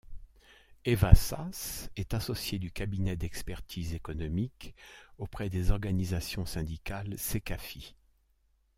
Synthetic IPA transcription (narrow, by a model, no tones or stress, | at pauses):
evasa̰sɛt̪asɔsjed̪ykabinɛd̪ɛkspɛʁt̪ʰizekɔnɔmikopχɛd̪ezɔʁɡanizasjɔ̃sɛ̃d̪ikalsekafi